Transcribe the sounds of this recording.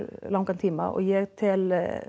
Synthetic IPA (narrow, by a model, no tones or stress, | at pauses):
lɑŋkɑnt̪ʰɪmɑ̰ʔo̰ːjeːɾt̪ʰɪl